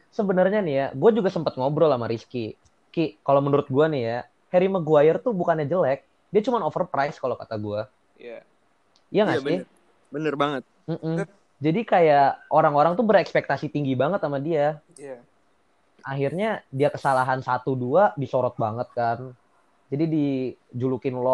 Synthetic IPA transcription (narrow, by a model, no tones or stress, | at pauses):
səbənərɲanijaɡuad͡ʒuɡasəmpət̪̚ŋobɾɔlamaɾiski | kikalomənuɾʊt̪̚ɡuanija | heɾimaɡuajɪrt̪ubukanɲad͡ʒəlɛk̚ | diat͡ʃumanofərpɾajskalokat̪aɡua | a | jaŋasi | bənərbaŋət̪̚ | m̩ʔm̩ | d͡ʒadikajaoɾaŋoɾaŋt̪ubəɾɛkspɛk̚t̪asit̪iŋɡibaŋət̪amadia | aɦirɲadiakəsalaɦansat̪uduadisoɾɔt̪̚baŋət̪̚kan | d͡ʒadidid͡ʒulukɪnlɔ